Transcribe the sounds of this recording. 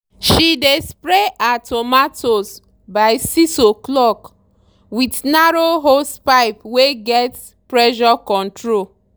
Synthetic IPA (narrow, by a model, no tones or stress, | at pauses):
ʃidespɹeʔatʰomatos | baɪsisoklɔk | widnaɾoɦospaɪpweɡɛt | pɹɛʃɔkɔ̃ntɹo